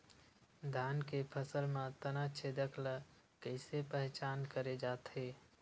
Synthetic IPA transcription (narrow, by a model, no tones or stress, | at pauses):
d̪ʱankepʰəsəlmãt̪ənat͡ʃʰed̪əkʰlə | kəɪsepəɦt͡ʃaːnkəɾed͡ʒaːt̪ɦe